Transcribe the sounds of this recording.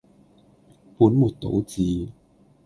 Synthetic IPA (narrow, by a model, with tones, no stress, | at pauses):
puː˨˥nmuː˨˩t̚t̪o̰˨˧˥wt͡siː˨˧